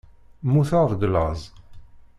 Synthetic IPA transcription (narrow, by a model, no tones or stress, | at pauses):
muθaʁðɡlɑzˤ